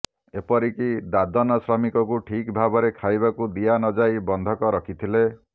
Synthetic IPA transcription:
epɔɾikid̪ad̪ɔnɔsɾɔmikɔkuʈʰikbʱabɔɾekʰajbakud̪ijanɔd͡ʒajbɔnd̪ʱɔkɔɾɔkʰit̪ʰile

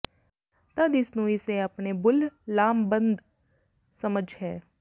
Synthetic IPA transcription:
t̪əd̪ɪsnũːɪseapneːbʊllaːmbə̃nd̪ | səməd͡ʒʱɦɛː

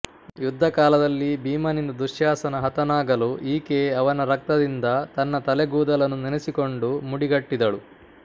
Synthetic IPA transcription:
jud̪ʱːɐkaːlɐd̪ɐlːibiːmɐnind̪ud̪uʂjaːsɐnɐɦɐt̪ɐnaːɡɐluʔiːkeːɐʋɐnɐɾɐk̚t̪ɐd̪ind̪ɐt̪ɐnːɐt̪ɐleɡuːd̪ɐlɐnːuninesiko̞ɳɖumuɽiɡɐʈːid̪ɐɭu

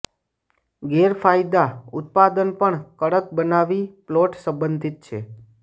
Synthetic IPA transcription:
ɡeɾfajd̪aʊ̰t̪̚pad̪ənpəɳkəɽək̚bənaʋiploʈsə̃mbənd̪ʱit̪̚t͡ʃʰe

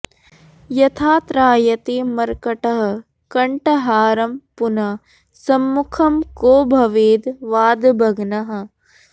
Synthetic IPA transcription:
jɐt̪ʰaːt̪ɾaːjɐt̪eːmɐɾkɐʈɐɦɐ̆ | kɐɳʈɐɦaːɾɐmpunɐ | sɐmːukʰɐmkoːbʱɐʋeːd̪ʋaːd̪bʱɐɡnɐɦɐ̆

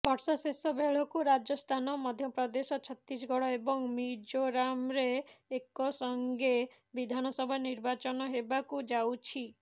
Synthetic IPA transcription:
bɔɾsɔsesɔbeɭ̤ɔkuɾad͡ʒɔst̪ʰanɔmɔd̪ʱjɔpɾɔd̪esɔt͡ʃʰɔt̪ɾis̬ɡɔɽɔebɔŋmid͡ʒoɾamɾeːkɔsɔŋɡe | bid̪ʱanɔsɔbʱaniɾbat͡ʃɔnɔɦebakud͡ʒawt͡ʃʰi

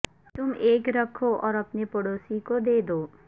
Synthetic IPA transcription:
t̪ʊmeːkɾəkʰoʔɔːɾəpnepɔɽosikod̪eːd̪oː

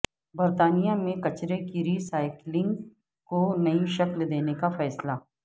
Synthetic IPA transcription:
bɐɾt̪aːnijamẽkɐt͡ʃɾekiɾiːsaːɪklɪ̃ŋɡ | konɐiʃɐkld̪eːnekafɛːsla

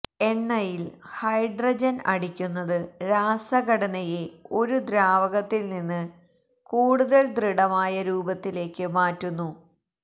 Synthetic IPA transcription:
e̞nːɐjilhɐjɖrɐd͡ʑɐnɐ̰ɽikʲːunːɐðɨɾaːsɐɡɐɽɐnɐje̞o̞ɾud̪ɾaːʋɐɣɐt̪ːilninːɨ | kuːɽuðɐld̪riɽɐmaːjɐɾuːbɐt̪ːile̞ːkːɨmaːtːunːu

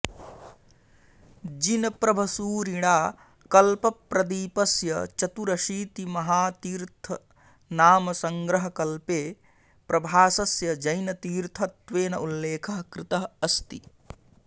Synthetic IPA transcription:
d͡ʒinɐpɾɐbʱɐsuːɾiɽaː | kɐlpɐpɾɐd̪iːpɐsjɐt͡ʃɐt̪uɾɐʃiːt̪imɐɦaːt̪iːɾt̪ʰɐ | naːmɐsɐŋɡɾɐɦɐkɐlpeː | pɾɐbʱaːsɐsjɐd͡ʒɐjnɐt̪iːɾt̪ʰɐt̪ʋeːnɐʔulːeːkʰɐɦɐkɾɪt̪ɐɦɐst̪i

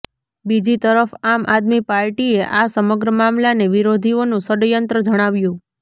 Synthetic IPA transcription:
bid͡ʒit̪əɾəfamʔad̪mipaɾʈieʔasəməɡɾəmamlaneʋiɾod̪ʱionũsəɽjənt̪ɾəd͡ʒəɽ̃aʋjũ

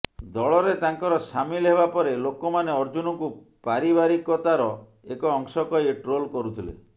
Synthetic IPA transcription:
d̪ɔɭɔɾet̪aŋkɔɾɔsamilɦeβapɔɾelokɔmaneɔɾd͡ʒunɔŋku | paɾibaɾikɔt̪aɾɔ | ekɔːŋsɔkɔjʈɾolkɔɾut̪ʰilḛ

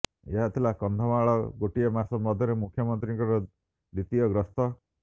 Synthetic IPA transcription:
eɦat̪ʰilakɔnd̪ʱɔmaɭɔɡoʈiɔmasɔmɔd̪ʱjɔɾemukʰːjɔmɔnt̪ɾiŋkɔɾɔ | d̪it̪iɔɡɾɔst̪ɔ

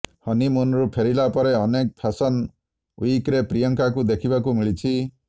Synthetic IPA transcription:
hʌnimunɾupʰeɾilapɔɾeʌnek̚pʰasɔn | ujkɾepɾijɔŋkakud̪ekʰibakumiɭit͡ʃʰi

